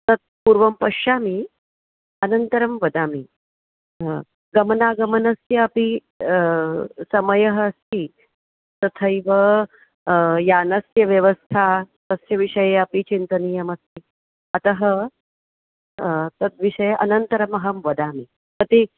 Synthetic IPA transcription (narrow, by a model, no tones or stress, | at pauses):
t̪ɐt̪̚puɾʋɐmpɐʂaːmi | ɐnɐnt̪ɐɾɐmʋɐd̪aːmi | ɡɐmɐnaːɡɐmɐnɐsjɐːpi | sɐmɐjɐɦɐːst̪ʰi | t̪ɐt̪ʰɐjʋɐ | jaːnɐsjɐʋjɐʋɐst̪ʰat̪ɐsjɐʋiʂɐjeɐpit͡ʃint̪ɐnijɐmɐst̪i | ɐt̪ɐɦɐ | t̪ɐt̪̚ʋiʂɐjɐʔɐnɐnt̪ɐɾɐmɐɦɐmʋɐd̪aːmi | t̪ɐt̪i